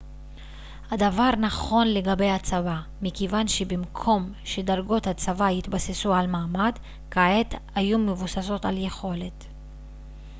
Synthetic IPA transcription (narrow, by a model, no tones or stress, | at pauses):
hadavaʁnaχo̞nle̞ɡabe̞jhat͡savamikevanʃebimkʰo̞mʃedaʁɡo̞that͡savahit̪basesualmaːmad | kaet̪ajumevusaso̞taljeχo̞le̞t